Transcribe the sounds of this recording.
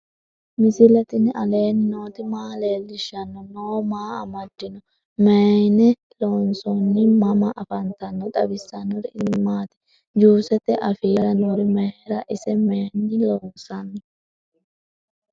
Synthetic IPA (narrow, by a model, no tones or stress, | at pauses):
mɪsɪlɐt̪ɪnɪʔɐle̞ːnɪnoːt̪ɪmaːleːlːɪʃːɐnːɔnoːmaːɐ̰mɐd̪̥ːɪnɔ | meːnɛ | loːnsɔnːɪmɐmɐʔɐfɐnt̪ɐnːɔt̪ɐbɪsːɐnːɔɾɪɪmːaːt̪ɪ̥ | d͡ʒuːsɛt̪ɛʔɐfiːɾɐnoːɾɪmɛɾɐʔɪsɛmeːnːɪloːnsɐnːɔ